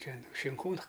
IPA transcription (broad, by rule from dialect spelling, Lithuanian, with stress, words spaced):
ˈtʲɛn ʃʲɪŋˈkuːnʊ